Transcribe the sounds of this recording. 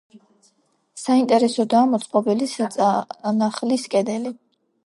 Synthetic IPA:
saint̪ʼɛɾɛsɔd̪aːmɔt̪sʼqʼɔbilisat̪ʼnaχliskʼɛd̪ɛli

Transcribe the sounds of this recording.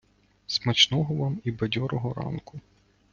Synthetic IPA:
smɐt͡ʃnɔɦɔʋɑmibɐdʲɔɾɔɦɔɾɑ̰nkʊ

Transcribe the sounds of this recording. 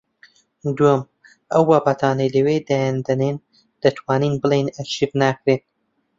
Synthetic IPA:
d̪uəm | ɐwːaːbat̪ʰɑːnɐjlɐweːd̪æjɛnd̪ɐnen | d̪̥ɐt̪ʰwɑːniːnbɨlejnɐkʃivnaːkɾeːn

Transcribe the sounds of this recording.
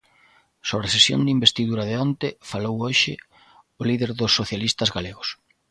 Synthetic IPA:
soβɾesesjo̰nd̪imbest̪iðuɾɐðɪɔnt̪ɪfalowoʃɪ̰ | oliðeɾðʊsːoθjalist̪ɐzɣaleɣʊs

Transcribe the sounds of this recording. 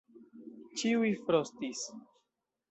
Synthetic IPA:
t͡ʃiujfɾost̪is

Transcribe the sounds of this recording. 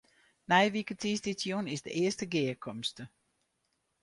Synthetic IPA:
nɛjʋikətiːsditjonɪsdə̰ʔɪəstəɡɪəkʰɔmstə

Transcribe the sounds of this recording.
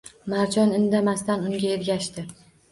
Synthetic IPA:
maɾd͡ʒɒnɪnd̪amast̪anʊŋɡʲaeɾɡʲaʃt̪ɪ

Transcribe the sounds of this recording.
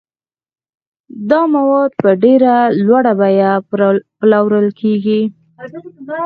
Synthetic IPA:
d̪ɑmawɑd̪̚pəɖeɾalwaɽabajaplawɾəlkeɡi

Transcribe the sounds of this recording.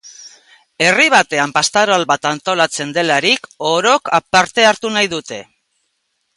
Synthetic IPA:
e̞riβ̞at̪e̞ampast̪aɾoalβat̪ant̪o̞lat͡se̞nd̪e̞laɾiko̞ɾo̞kapaɾt̪e̞aɾt̪unajðut̪e̞

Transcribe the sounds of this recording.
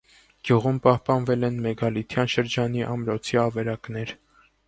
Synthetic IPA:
ɡ̥juʁumpɑhpɑnvɛlɛnmɛɡɑlit̪ʰjɑnʃəɾd͡ʒɑn̪iʔɑmɾɔt͡sʰiɑvɛɾɑknɛɾ

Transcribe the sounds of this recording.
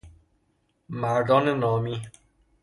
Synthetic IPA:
maɖɔ̃nənɔmĩ

